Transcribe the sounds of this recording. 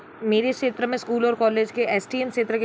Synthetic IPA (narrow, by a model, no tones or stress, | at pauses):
meːɾekʃeːt̪ɾəmẽskuːlɔːɾkɔːleːd͡ʒkeʔɛːsʈiːɛmkʃeːt̪ɾəke